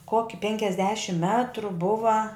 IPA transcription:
ˈkoːkʲɪ pʲɛŋʲkʲɛzʲˈdʲæːʃʲɪm ˈmʲæːtrʊ ˈbʊʋɐ

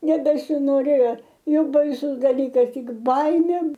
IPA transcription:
nʲɛbʲɛsʲɪnoːˈrʲeːjoː ˈjoːk bɐɪˈsʊs dɐˈlʲiːkɐs ˈtʲɪk ˈbɐɪmʲeː

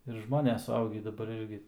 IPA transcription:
ɪr ˈʒmoːnʲɛs sʊˈɐʊɡʲiː dɐˈbɐr ˈɪrʲɡʲɪ

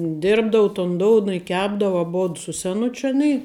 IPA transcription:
ˈdʲɪrbdɐʋʊ toːn ˈdoːʊnɐ ɪ ˈkʲæːbdɐʋʊ ɐˈboːt sʊ sʲɛˈnʊt͡ʃʲʊ ɐˈnʲiː

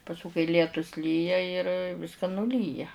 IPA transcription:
pɐsˈkʊ kɐɪ ˈlʲiɛtʊs ˈlʲiːjɛ ɪr ˈʋʲɪskɐ nʊˈlʲiːjɛ

